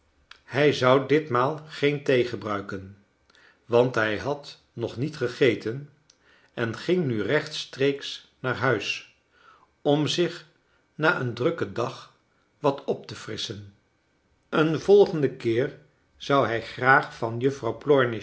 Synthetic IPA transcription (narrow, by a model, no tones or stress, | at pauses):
hɛjzʌwdɪtmaːlˠχejntejχəbrœɥkən | ʋɑntɦɛjɦɑt | nɔχnitχəχejtən | ɛnχɪŋnyrɛχtstreːks | naːrɦœɥs | ɔmzɪχ | naːʔəndrɵkədɑχ | ʋɑtɔp̚təfrɪsən | ənvɔlˠχəndəkɪːɹ | z̥ʌwɦɛjχraːχfɑnjɵfrɑwplɔɹnɪ